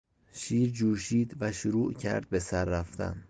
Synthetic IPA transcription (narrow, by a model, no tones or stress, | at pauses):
ʃiːɾd͡ʒuːʃiːd̪væʃuɾuːʔcʰæ̰ɾd̪̥̚be̞sæɾːæft̪ʰæ̰n